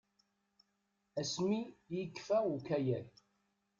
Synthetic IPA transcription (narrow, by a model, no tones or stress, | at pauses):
æsmijəkːfæukæjæl